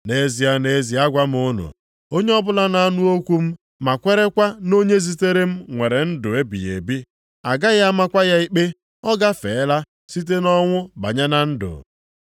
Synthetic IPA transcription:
ne˨˦zi˨a˨ne˨˦zi˨a˦ɡʷa˦m˦ʊ˦nṵ˨ | o˦ɲe˦ɔ˦bʊ˦la˦na˨a˦nʊ˦o˦kʷu˦m̩˦ | ma˨kʷe˦ɾe˦kʷa˦no˦ɲe˦zi˦te˦ɾe˦m̩˦ŋʷe˨ɾe˨n̩˦dʊ˨e˦bḭ˨jḛ˨bi˦ | a̰˨ɡa˦ja˦ma˦kʷa˦ja˦i˦k͡pe˦ | ɔ˦ɡa˦fḛ˨˦la˦ | si˦t̬e˦nɔ˦ŋʷʊ˦ba̰˨ɲa˦na˦n̩˦dʊ̰˨

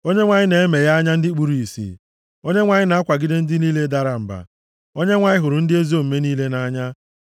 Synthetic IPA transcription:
o˦ɲe˦ŋʷa˨ɲɪ˦ne˨e˦me˨ja˦ɲa˦n̩˦dɪ˦k͡pu˦ɾi˨i˨sḭ˨ | o˦ɲe˦ŋʷa˨ɲɪ˦na˨a˦kʷa˨ɡɪ˦dɪ˦n̩˦dɪ˦niː˦le˦da˦ɾa˨m̩˨ba̰˨ | o˦ɲe˦ŋʷa˨ɲɪ˦ɦʊ˨ɾʊ˨n̩˦dɪ˦e˦zo˦m̩˨me˦niː˦le˦na˦ɲa˦

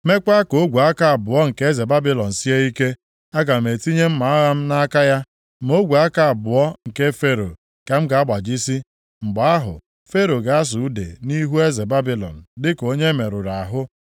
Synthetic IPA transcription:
me˦k͡pa˦ko˦ɡʷu˨a˦ka˦a˨bʊ˨ɔ˦ŋ̩˨ke˦e˦ze˨ba˦bi˦lɔ˨n̩˨si˦e˦i˦ke˦ | a˦ɡa˨m̩˨e˨ti˦ɲe˦m̩˦ma˨˦a˦ɣa˦m̩˦na˦ka˦ja˦ | m˦o˦ɡʷu˨a˦ka˨a˨bʊ˨ɔ˦ŋ̩˨ke˦fe˦ɾo̰˨ | ka˨m̩˦ɡa˨a˦ɡ͡ba˨d͡ʒi˦si˦ | ŋ͡m̩˨ɡ͡ba˨a˦ɦʊ̰˨ | fe˦ɾo˨ɡa˨a˦s̬ʊ˨u˦dḛ˨ni˦ɦu˦e˦ze˨ba˦bi˦lɔ̰˨n̩˨dɪ˦ko˦ɲe˦me˨ɾʊ˨ɾa˨a˨ɦʊ˦

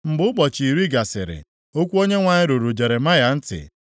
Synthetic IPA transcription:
m̩˨bʊ˦k͡pɔ˨t͡ʃi˨ɾi˦ɡa˨sɪ̰˨ɾɪ̰˨ | o˦kʷu˦o˦ɲe˦ŋʷa˨ɲɪ˦ɾu˨ɾu˨d͡ʒe˨ɾe˨ma˦ja˨n̩˦tɪ̰˨

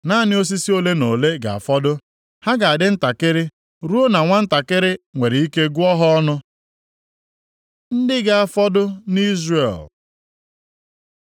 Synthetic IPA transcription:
na˦˨nɪ˦o˦s̬i˦si˦o˦le˦no˨le˦ɡa̰˨a̰˨fɔ˦dʊ˦ | ha˦ɡa˨a˨dɪ˦n̩˦ta˨kɪ˦ɾɪ˦ | ɾu˦o˦na˨ŋʷa˦n̩˦ta˨kɪ˦ɾɪ˦ŋʷe˨ɾɪ˨i˦ke˦ɡu˦ɔ˦ɦɔ˦ɔ˦nʊ˦ | n̩˦dɪ˦ɡa˨a˨fɔ˦dʊ˦ni˦zrḛ˨l

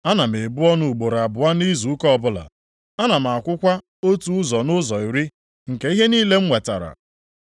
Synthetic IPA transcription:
a˦na˨m˨e˨bʊ˦ɔ˦nʊ˦u˨ɡ͡bo˨ɾa˨bʊ˨a˦ni˦zu˨u˦kɔ˦ɔ˦˨bʊ˦la̰˨ | a˦na˨m̩˨a˨kʷʊ˦kʷa˦ | o˦tu˦ʊ˦zɔ˨nʊ˦zɔ˨i˨ɾi˦ | ŋ̩˨ke˦i˦ɦe˦niː˦le˦ŋ͡m̩˦ŋʷe˨ta̰˨ɾa̰˨

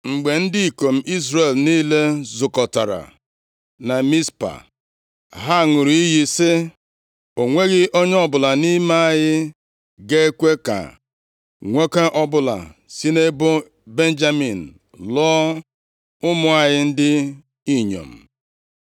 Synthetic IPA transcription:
ŋ͡m̩˨ɡ͡be˨n̩˦di˦i˨ko˨m̩˦i˦zɾe˨lni˦le˦zʊ˨kɔ˨ta˨ɾa̰˨ | na˨mi˦spa̰˨ | ɦa˦˨ŋʊ˨ɾi˨i˦ji˦sɪ˦ | o˨ŋʷe˦ɣɪ˦ʔo˦ɲ˦ɔ˦bʊ˨la˨ni˦ma˦a˦jɪ˦ | ɡe˦e˦kʷe˦ka̰˨ | ŋʷe˦ke˦ʔɔ˦bʊ˦la̰˨si˦ne˦bʊ˦ | be˦n˦d͡ʒa˦mi˨n̩˨ | lɔː˦ | ʊ˦mʊ˦a˨ɲɪ˦n̩˦dɪ˦ | i˦ɲo̰˨m̩˨

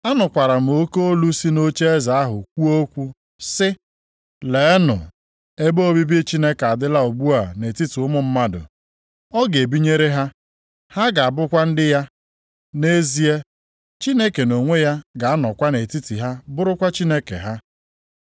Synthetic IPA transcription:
a˦nʊ˨kʷa˨ɾa˨m̩˨o˦ko˦o˦lu˦si˦no˦t͡ʃe˦e˦za˨a˦ɦʊ˨kʷu˦o˦kʷu˦ | sɪ˦ | le˨˦nʊ̰˨ | e˦bo˦bi˦be˦t͡ʃi˦ne˦ka˨dɪ˦la˦o˨ɡ͡bu˦a˨ne˨ti˦ti˨ʊ˦mʊ˦m̩˦ma˦dʊ̰˨ | ɔ˦ɡe˨bi˦ɲe˦ɾe˦ɦa˦ | ha˦ɡa˨a˨bʊ˦kʷa˦n̩˦dɪ˦ja˦ | ne˦zi˦e˦ | t͡ʃi˦ne˦ke˨no˨ŋʷe˦ja˦ɡa˨a˦nɔ˨kʷa˦ne˨ti˦ti˨ɦa˦bʊ˦ɾʊ˦kʷa˦t͡ʃi˦ne˦kḛ˨ɦa˦

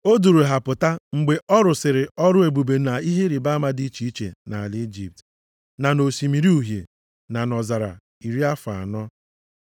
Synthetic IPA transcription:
o˦du˨ɾu˨ɦa˨pʊ˨ta˦ŋ͡m̩˨ɡ͡be˨ɔ˦ɾʊ˨sɪ˨ɾɪ˨ɔ˦ɾʊ˦e˨bu˨be˨˦na˨i˦ɦe˦ɾi˨ba˦ma˦di˦t͡ʃi˦i˦t͡ʃḛ˨na˨a˨li˦d͡ʒḭ˨p̚t | na˨no˨si˨mi˨ɾi˦u˨ɦjḛ˨ | na˨nɔ˨za˨ɾa̰˨ | i˨ɾi˦a˦fa˨a˨nɔ˦

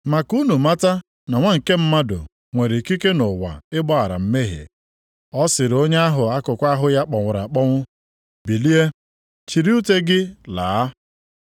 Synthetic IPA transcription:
ma˨ku˦nu˨ma˦ta˦ | na˨ŋʷa˦ŋ̩˨ke˦m̩˦ma˦dʊ̰˨ | ŋʷe˨ɾi˨ki˦ke˦nʊ˨wa̰˨ɪ˦bɔ˦a˨ɾa̰˨m̩˦me˦ɦḛ˨ | ɔ˦sɪ˨ɾo˦ɲe˦a˦ɦʊ˨a˦kʊ˨kʷa˦ɦʊ˨ja˦k͡pɔ˨ŋʷʊ˨ɾa˨k͡pɔ˦ŋʷʊ˦ | bi˨li˦e˦ | t͡ʃi˨ɾi˦u˦te˦ɡɪ˦laː˨˦

